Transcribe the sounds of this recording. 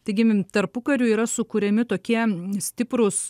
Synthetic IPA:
t̪ɐɪɡʲɪt̪ɐɾpʊkɐɾʲuiːɾɐsʊkuɾʲɛmʲɪt̪oːkʲiɛsʲt̪ʲɪpɾʊs

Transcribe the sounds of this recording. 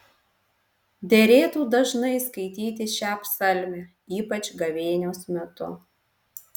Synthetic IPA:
d̪ʲɛɾʲeːt̪uːd̪ɐʒnɐɪskɐɪt̪ʲiːt̪ʲɪʃʲæːpsɐlʲmʲe | iːpɐt͡ʃʲɡɐʋʲeːnʲoːsmʲɛt̪ʊ

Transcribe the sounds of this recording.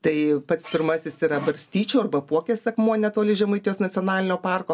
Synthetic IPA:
t̪ɐɪpɐt̪spʲɪɾmɑsʲɪsiːɾɐbɐɾʲsʲt̪ʲiːt͡ʃʲoːɐrbɐpuɔkʲeːsʲɐkmuɔnʲɛt̪oːlʲɪʒʲɛmɐɪt̪ʲɪjoːsnɐt͡sʲionɑːlʲɪnʲoːpɑrkoː

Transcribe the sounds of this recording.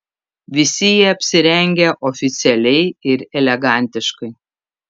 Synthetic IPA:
ʋʲɪsʲɪjiɛɐpʲsʲɪɾʲɛŋʲɡʲɛʔɔfʲɪt̪sʲɛlʲɛɪɪɾɛlʲɛɡɑˑnʲt̪ʲɪʃkɐɪ

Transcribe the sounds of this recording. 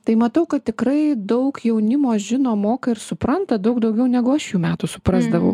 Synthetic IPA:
t̪ɐɪmɐt̪ɐʊkɐt̪̚ʲt̪ʲɪkɾɐɪd̪ɐʊkjɛʊnʲɪmoːsʒʲɪnoːmoːkɐɪɾsʊpɾɐnt̪ɐd̪ɐʊɡd̪ɐʊɡʲɛʊnʲæːɡʊɐʃjuːmʲæːt̪ʊsʊpɾɑzd̪ɐʋɐʊ

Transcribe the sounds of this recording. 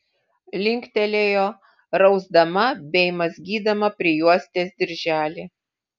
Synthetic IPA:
lʲɪŋʲkʲt̪ʲɛlʲeːjoː | ɾɐʊzd̪ɐmɐbʲɛɪmɐzʲɡʲiːd̪ɐmɐpʲɾʲɪjuɔsʲt̪ʲeːsd̪ʲɪɾʲʒʲæːlʲi

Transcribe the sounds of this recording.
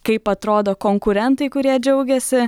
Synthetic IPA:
kɐɪpɐt̪ɾoːd̪oːkoːŋkʊɾʲɛnt̪ɐɪkʊɾʲiɛd͡ʒʲɛʊɡʲɛsʲɪ

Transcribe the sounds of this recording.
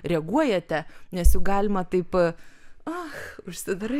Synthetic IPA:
rʲɛɡuɔjɛt̪ʲɛnʲɛsjɛʊɡɑːlʲɪmɐt̪ɐɪp | ɐxʊʃʲsʲɪd̪ɾɐ

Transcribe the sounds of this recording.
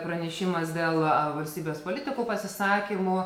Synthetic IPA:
pɾɐnʲɛʃʲɪmɐsd̪ʲeːlˠʋɐlʲsʲt̪ʲiːbʲeːspoːlʲɪt̪ʲɪkuːpɐsʲɪsɑːkʲɪmʊ

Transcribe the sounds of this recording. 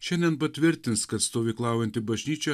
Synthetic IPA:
ʃʲɛnʲd̪ʲɛnpɐt̪ʲʋʲɪɾʲt̪ʲɪnskɐt̪st̪oːʋʲɪklˠɑˑʊjɛnt̪ʲɪbɐʒʲnʲiːt͡ʃʲɛ

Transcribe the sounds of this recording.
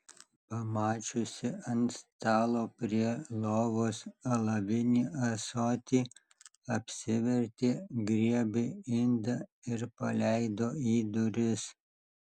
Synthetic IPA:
pɐmɑːt͡ʃʲʊsʲɪɐnt̪st̪ɑːlˠoːpʲɾʲiɛlˠoːʋoːsɐlˠɐʋʲɪnʲiːʔɐsoːt̪ʲiː | ɐpʲsʲɪʋʲɛɾʲt̪ʲeːɡɾʲiɛbʲɪɪnd̪ɐɪɾpɐlʲɛɪd̪oːiːd̪ʊɾʲɪs

